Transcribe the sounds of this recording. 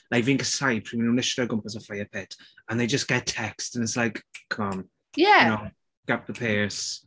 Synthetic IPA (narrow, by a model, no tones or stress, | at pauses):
laɪvɪ̃ŋkəsaɪpʰimĩnonɪʃədəɡʊ̃mpəzəfaɪəpʰɪtə̃nðeɪd͡ʒʌsɡ̥ɛtʰːɛkstə̃nɪtslaɪkʰɔm | jæno | ɡ̥ap̚ðəpʰeːɹs